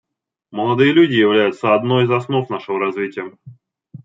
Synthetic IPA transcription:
məlˠɐd̪ɨjəlʲudʲɪjɪvlʲæjʊt̪səɐd̪no̞jizɐsno̞fnaʂɨvəɾɐzvʲitʲɪjə

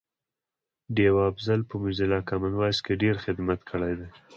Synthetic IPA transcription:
ɖewɑːbzalpəmʊzɪlɑkamanwɑjskeɖeɾxɪd̪mat̪kʰəɽajd̪aj

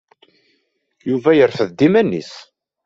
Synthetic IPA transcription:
juvæjəɾfəðd̪imænːḭs

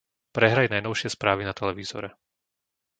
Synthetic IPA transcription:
pɾɛɦɾajnajnɔʊʃɪɛspɾaːʋinat̪ɛlɛʋiːz̥ɔ̰ɾɛ

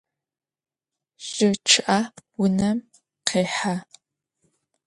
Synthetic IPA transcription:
ɕɪʈ͡ʂʰɨʔawʊnɐm | qʰeːħa

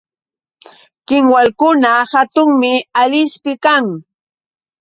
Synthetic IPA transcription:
kɪŋwalkʊnahat̪ʊŋmɪaʎɪspɪkaŋ

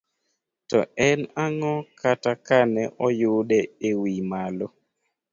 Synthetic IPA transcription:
tɔ̰ɛnaŋɔkatakanɛʔɔjʊdɛewimalo

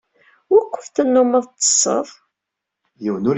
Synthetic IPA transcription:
ʊɾkʷːə̥fθənːʊməðˤt̪ˤːə̥sˤːə̰ðˤ | jiwnʊɾ

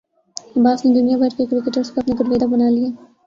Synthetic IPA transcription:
baːsned̪ʊnijabʱɐɾkekɾɪkeʈəɾzkoɐpneɡʊɾʋeːd̪abɐnaːlijaː

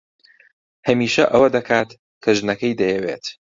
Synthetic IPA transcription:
hɐmiːʃɐʔɐwɐd̪ɐkʰaːt̪ | kʰɐʒnɐkɐjd̪ɐjɛwḛːt̪

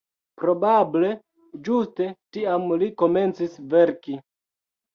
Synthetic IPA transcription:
pɾo̞bable̞ | d͡ʒuste̞tiamliko̞me̞nt͡sisve̞ɾki

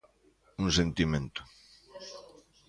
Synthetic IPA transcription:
uŋsent̪imẽnt̪ʊ̥

